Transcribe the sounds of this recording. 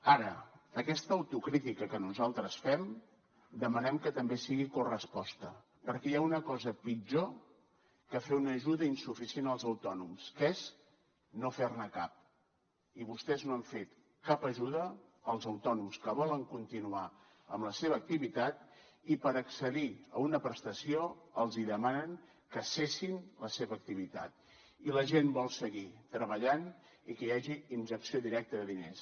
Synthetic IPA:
aɾəəkɛst̪əːwt̪ukɾit̪ikəkənuzalˠt̪ɾəsfɛm | d̪əmənɛmkət̪əmbesiɣikorəspɔst̪ə | pəɾkɛjaunəkɔzəpid͡ʒo | kəfeunəʒuðəinsufisienəlˠzəwt̪ɔnumskəez | nofernəkap̚ | iβust̪ɛznoɛɱfet̪ | kapəʒuðəːlˠzəwt̪ɔnumskəβɔləŋkunt̪inua | ə̰mləseβəːk̚t̪iβit̪at̪̚ | ipəɾəksəðiəunəpɾəst̪əsioəlˠziðəmanəŋ | kəsesinləseβəːk̚t̪iβit̪a̰t̪̚ | iləʒembɔlˠsəɣit̪ɾəβəʎan | ikəjaʒiinʒəksioðiɾɛk̚t̪əðəðines

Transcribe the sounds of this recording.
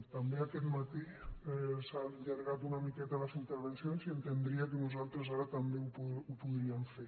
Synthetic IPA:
t̪ambeakɛt̪mat̪i | saʎəɾɣat̪unəmikɛt̪ələzint̪əɾβensionziənt̪end̪ɾiək̬ənuzalˠt̪ɾəzaɾət̪ambeupuupuðɾiəɱfe

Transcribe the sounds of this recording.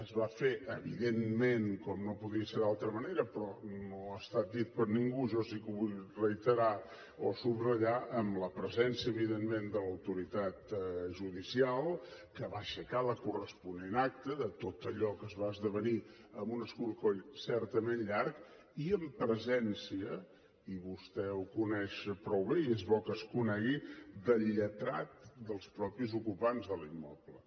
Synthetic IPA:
əzβafeʔəβiðemmenkɔmnopuðiəseɾalˠt̪ɾəməneɾəpɾɔnoəst̪at̪̚d̪it̪̚pəɾniŋɡuʒɔsikəβuʎrəit̪əɾa | osubrəʎaʔəmləpɾəzɛnsiəβiðemmend̪ələwt̪uɾit̪at̪ʒuðisialˠkəβaʃəkaləkurəspunenak̚t̪əðət̪ot̪əʎɔkəzβaəzðəβ̞əniəmunəskuɾkoʎsɛrt̪əmenʎark | iəmpɾəzɛnsiə | iβust̪ɛukunɛʃpɾɔwβeiezβɔkəskunɛɣid̪əlːət̪ɾat̪̚d̪əlˠspɾɔpizukupanzðəlimːɔplə

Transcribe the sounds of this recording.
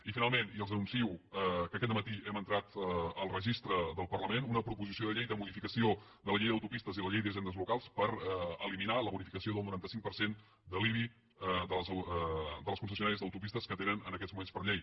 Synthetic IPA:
ifinalˠmeniəlˠzənunsiwəkəkɛt̪əmət̪iɛmənt̪ɾat̪əlˠrəʒist̪ɾəðəlˠpərləmenunəpɾupuzisioðəʎɛjðəmuðifikəsiod̪ələʎɛjðəwt̪upist̪əziləʎejðiəʒɛnd̪əzlukalˠspəɾəliminaləβuɾifikəsioðəlˠnuɾant̪əsiŋk̚pəɾsen | d̪əliβi | d̪əz | d̪əlˠəskunsəsiunaɾiəzðəwt̪upist̪əskət̪enənənəkɛdzmumenspərʎej

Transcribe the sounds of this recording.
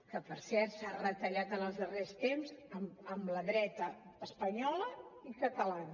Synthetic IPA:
kəpəɾsɛɾt̪sarət̪əʎat̪ənəlˠzðərest̪emzəməmləðɾɛt̪əːspəɲɔləikət̪əlan

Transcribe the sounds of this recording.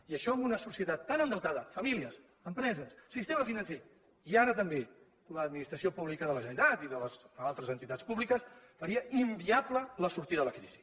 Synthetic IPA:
iəʃɔəmunəsusiət̪at̪ːanənd̪əwt̪aðəfəmiliəs | əmpɾɛzəsːist̪eməfinənse | iaɾət̪əmbe | ləd̪̚minist̪ɾəsiopuβlikəðələʒənət̪at̪iðələzalˠt̪ɾəzənt̪it̪at͡sspuβlikəsfəɾiəʔimbiaplələsuɾt̪iðələkɾiz̥i̥

